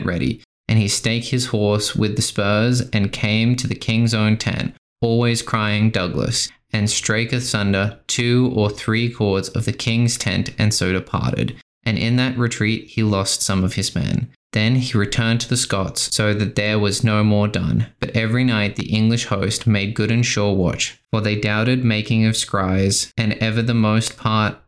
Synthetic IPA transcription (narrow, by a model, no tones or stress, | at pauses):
ʔɹɛɾḭ | ʔɨ̃nisteɪk̚hɨz̥hɔɹswɨðɨspɜ˞zɨ̃nkʰẽɪ̃mtʰɨðɨkʰɪ̃ŋzõʊ̃ntʰɛ̰̃nt | ɔlˠwiz̥kʰɹ̥aɪɪ̃ŋdʌɡlə̰s | ɨ̃nstɹ̥eɪkɨsʌ̃ndə˞tʰʉə˞θɹikʰɔɹdzʌ̰vðɨkʰɪ̃ŋz̥tʰɛ̰̃ntɨ̃nsoʊɾɨpʰɑ̰ɹɾɨ̰ɾ | ʔɨ̃nʔɪ̃nðɨʔ̚ɹɨtʰɹ̥it̚hilɔstsʌ̃mʌv̥ɨzmɛ̰̃n | ðɨ̃niɹɨtʰɜ̃˞ntʰɨðɨskɑtsːoʊðɨt̪̚ðə˞wʌznoʊmɔɹdʌ̰̃nb̥ʌɾʔɛvɹinaɪt̪̚ðḭʔɪ̃ŋɡlɨʃhoʊst̚meɪd̚ɡʊɾɨ̃nʃʊɹwɑ̰t͡ʃfə˞ðeɪdaʊɾɨd̚meɪkɪ̃ŋʌv̥skɹaɪz̥ɨ̃nɛvə˞ðəmoʊst̚pʰɑɹt̚